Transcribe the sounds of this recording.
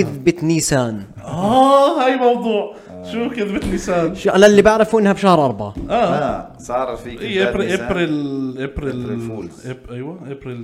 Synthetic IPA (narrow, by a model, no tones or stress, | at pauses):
ɪðbɪt̪niːsaːn | ʔaːhaːjmɑwd̪ˤuːʕ | ʃuːfkɪðbɪt̪niːsaːnʃʔalalːibaʕɾɪfuʔɪnːhabʃahɾˤʔɑɾˤbaʕa̰ʔaː | sɑɾˤfiʔiːɾʔɪbɾilʔɪbɾilʔʔajwaʔɪbɾil